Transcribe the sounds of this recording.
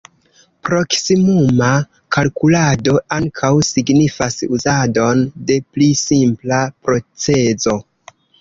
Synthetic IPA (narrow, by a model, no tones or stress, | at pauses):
pɾo̞ksimuma | kalkulado̞aŋkʰawsiɡnifasuzado̞nde̞plisimplapɾo̞t͡se̞zo̞